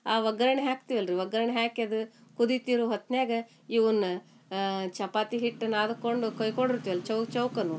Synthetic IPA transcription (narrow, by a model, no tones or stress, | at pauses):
aːʋɐɡɐɾɐɳɐɦaːkt̪iʋɐlɾiʋɐɡɐɾɐɳɐɦaːkɐd̪ukud̪it̪iɾuɦɐt̪neːɡɐ | iʋunːɐ | t͡ʃɐpaːt̪iɦiʈːnaːd̪ɐkoɳɖukojkoɳɖiɾt̪iʋɐlt͡ʃɐwkt͡ʃɐwkɐnu